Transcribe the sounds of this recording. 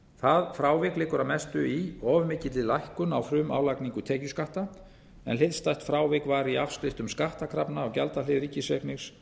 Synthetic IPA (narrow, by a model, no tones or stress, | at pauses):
θaðfɾaːwvɪklɪːkʏɾamɛst̪ʏiɔːvmɪcɪt̪ɪlajhkʏnawfɾʏːma̰ːwlakniŋkʏt̪ʰɛːcʏskaht̪a | ɛ̰nlɪðst̪ajht̪fɾaːwvɪkvaɾiafskɾɪft̪ʏmskaht̪akʰɾapnaːwcalt̪alɪðɾiːcɪsɛknɪxs